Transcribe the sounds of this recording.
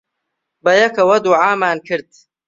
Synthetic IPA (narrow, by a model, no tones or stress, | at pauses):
bɐjɐkʰɐwɐd̪uʕaːmaːnkʰɨɾd̪̚